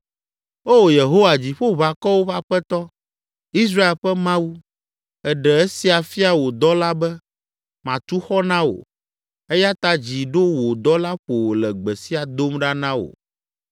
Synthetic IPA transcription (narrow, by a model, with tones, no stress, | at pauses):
o˦wo˨je˨ɦo˦wa˨d͡ʑi˨ɸo˦βa˨kɔ˦wo˦βa˦ɸɛ˦t̪ɔ˦ | i˦s̬ɾa˦e˨lɸɛ˦mã˦wu˦ | ɛ˨ɖɛ˨ɛ˦si˦a˨fi˦a˨wo˨d̪ɔ˦la˦bɛ˦ | mã˨t̪u˦xɔ˦nã˦wo̰˨ | ɛ˦ja˦t̪a˦d͡ʑi˨ɖo˦wo˨d̪ɔ˦la˦ɸo˨wo˨lɛ˨ɡ͡bɛ˨si˦a˨d̪o˦mɖa˦nã˦wo̰˨